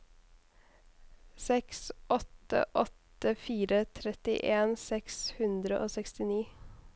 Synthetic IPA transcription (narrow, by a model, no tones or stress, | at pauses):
sɛksʔɔt̪ə̰ʔɔt̪əfiːɾət̪ʰɾɛt̪ɪ̰ʔeːnsɛkshʉnd̪ɾəʔoːsɛkst̪ɪniː